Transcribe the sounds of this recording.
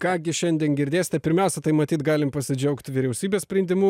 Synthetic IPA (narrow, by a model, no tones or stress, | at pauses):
kɑːɡʲɪʃʲɛnʲd̪ʲiɛnɡʲɪɾʲd̪ʲeːsɪ̥t̪ʲɛpʲɪɾʲmʲɛˑʊsʲɛt̪ɐɪmɐt̪ʲiːt̪ɡɑːlʲɪmpɐsʲɪd͡ʒʲɛʊkt̪ʲʋʲɪɾʲɛʊsʲiːbʲeːsʲpʲɾʲɛnʲd̪ʲɪmu